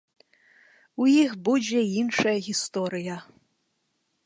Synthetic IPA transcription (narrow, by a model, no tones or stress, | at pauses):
ujixbud͡zʲɛinʂɐjɐɣʲist̪ɔɾɨjɐ